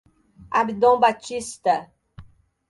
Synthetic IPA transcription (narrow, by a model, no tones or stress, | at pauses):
abid̪õw̃bat͡ʃist̪ɐ